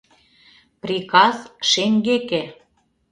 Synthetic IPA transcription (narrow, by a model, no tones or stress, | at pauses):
prʲikɑsʃeŋɡekĕ